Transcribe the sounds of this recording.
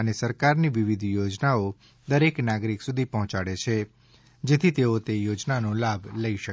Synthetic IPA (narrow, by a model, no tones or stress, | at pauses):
ənesəɾkaɾniʋiʋid̪ʱjod͡ʒnao | d̪əɾeknaɡɾiksud̪ʱipɔɦɔ̃t͡ʃaɽet͡ʃʰe | d͡ʒet̪ʰit̪eot̪ejod͡ʒnanolabʱləiʃə